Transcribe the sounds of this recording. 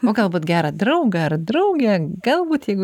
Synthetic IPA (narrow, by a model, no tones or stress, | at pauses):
oːɡɐlˠbuːt̪ɡʲæːɾɐd̪ɾɐʊɡɐɐrd̪ɾɐʊɡʲɛɡɐlˠbuːt̪jɛɪɡʊ